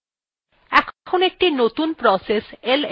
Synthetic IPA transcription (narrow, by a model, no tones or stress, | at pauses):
ɛkʰkʰonek̚ʈinot̪unpɾɔsesel